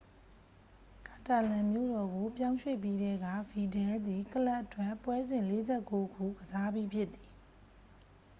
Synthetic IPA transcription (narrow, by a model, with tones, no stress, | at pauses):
ka˨ta˨lã˨mjo̰˦˨ɾɔ˨ɡo˨pjã˦ʊ̃ʃwḛ˦˨p̬ji˦ɾɛ˦ɡä̰˦˨vi˨dɛ˦d̪i˨kəla˦ʔətwã˦˨pwɛ˦zɪ̃˨le˨˦zɛ˦˨ko˦ɡṵ˦˨ɡəza˦bji˦pʰjɪ˦t̪ːi˨